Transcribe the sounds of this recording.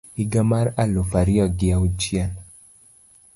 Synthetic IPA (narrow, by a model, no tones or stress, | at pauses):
iɡamaɾalofaɾɪɔɡɪaut͡ʃjɛn